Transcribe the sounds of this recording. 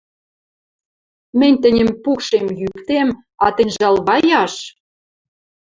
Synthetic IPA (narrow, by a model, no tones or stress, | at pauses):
mɘ̆nʲt̪ɘ̆nʲə̆mpukʃemjykt̪em | ɑt̪ɘ̆nʲʒɑlβɑjɑʃ